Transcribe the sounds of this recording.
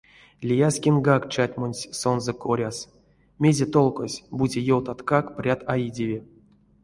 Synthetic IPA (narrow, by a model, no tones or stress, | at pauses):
lʲijasʲkʲinɡakt͡ʃatʲmonʲsʲsonzəkoɾʲas | mʲezʲet̪olˠkosʲbudʲejowt̪at̪kakprʲat̪ajidʲevʲi